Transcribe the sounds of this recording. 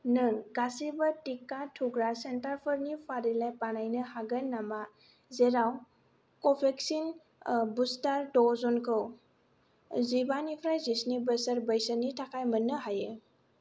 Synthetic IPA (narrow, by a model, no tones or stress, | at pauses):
nɯŋɡasibətikatʰuɡɾasentaɾpʰəɾnipʰaɾilajpanajnɯhaɡənːama | zeɾaw | kɔpʰeksin | bustaɾdɔzɔnkʰɯw | zibanipʰɾajzisnibəsəɾbəjsənitʰakʰajmənːɯɦaje